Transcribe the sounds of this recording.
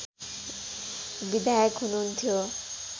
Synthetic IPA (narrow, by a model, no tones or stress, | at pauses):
bid̪ajɔkɦununt̪ʰio